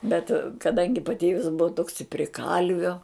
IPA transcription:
bʲɛt kɐˈdɐŋʲɡʲɪ pɐˈtʲeːʋʲɪs ˈbʊʋɐ toːks ɪ pʲrʲɪ ˈkɐlʲʋʲoː

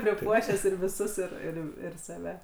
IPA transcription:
pʲrʲɪˈpuɔʃʲæːs ɪr ʋʲɪˈsʊs ˈɪr ɪr ɪr sɐˈʋʲɛ

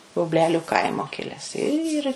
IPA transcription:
bʊbʲˈlʲæːlʲʊ ˈkɐɪmoː ˈkʲɪlʲɛs ɪr

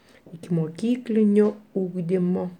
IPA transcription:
ɪkʲɪmoːˈkʲiːklʲɪnʲoː ˈuːɡdʲɪmoː

